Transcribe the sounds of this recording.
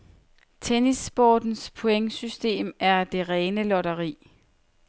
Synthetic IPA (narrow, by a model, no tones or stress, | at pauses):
t͡sʰenisb̥ɒːd̥n̩spʰo̝eŋsysd̥e̝̰ːmæɐd̥e̝ʁɛːnəlɒɾɐʁḭː